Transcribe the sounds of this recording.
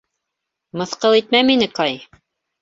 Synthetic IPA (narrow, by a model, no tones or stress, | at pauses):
mɤ̆θqɤlˠit̪mæminɘkɑj